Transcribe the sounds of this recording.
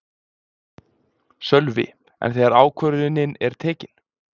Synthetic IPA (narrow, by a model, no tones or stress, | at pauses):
sœlvɪ̰ | ɛ̰nθɛːɣaɾaːwkʰvœɾðɪnɪnɛɾ̥t̪ʰɛːcɪn̥